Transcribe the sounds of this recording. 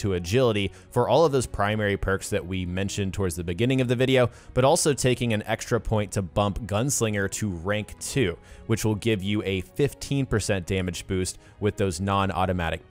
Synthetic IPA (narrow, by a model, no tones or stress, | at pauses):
tʰəɨd͡ʒɪlˠəɾi | fə˞ʔɔlˠʌvðoʊz̥pʰɹ̥ãɪ̃mɛɹipʰɜ˞ksðɨʔ̚wimɛ̃nʃɨ̃ntʰɔɹdzðɨbɨɡɪ̃nɪ̃ŋʌvðɨvɪɾioʊ | b̥ʌɾɔlˠsoʊtʰeɪkɪ̃ŋɨ̃nɛkstɹ̥ɨpʰɔ̃ɪ̃ntʰəbʌ̃mpɡ̥ʌ̃nslɪ̃ŋə˞ɾɨɹæ̃ŋktʰʉwɨt͡ʃwəlˠɡɪvjɨɨfɪftʰĩnpə˞sɛ̃nd̥æmɨd͡ʒb̥ʉst̚ | wɨðoʊznɑ̃nɔ̰ɾɨmæ̰ɾɨk̚p